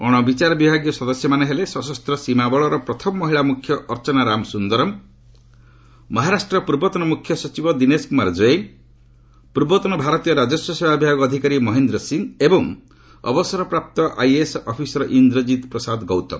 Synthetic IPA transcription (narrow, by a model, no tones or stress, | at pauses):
ɔɽ̃ɔbit͡ʃaɾɔbibʱaɡjɔsɔd̪ɔsjɔmaneɦelesɔsɔst̪ɾɔsimabɔɭɔɾɔpɾɔt̪ʰɔmɔːɔɦiɭamukʰːjɔʔɔɾt͡ʃɔnaɾamsund̪ɔɾɔm | mɔɦaɾasʈɾɔpuɾbɔt̪ɔnɔmukʰjɔsɔt͡ʃibɔd̪ineskumaɾd͡ʒɔje | puɾbɔt̪ɔnɔbʱaɾɔt̪ijɔɾad͡ʒɔsjɔsebʱabibʱaɡɔːd̪ʱikaɾimɔɦend̪ɾɔsiŋɡebɔŋ | ɔ̰bɔsɔɾɔpɾap̚t̪ɔʔa̰jesɔpʰisɔɾɔʔind̪ɾɔd͡ʒit̪pɾɔsad̪ɡɔwt̪ɔ̰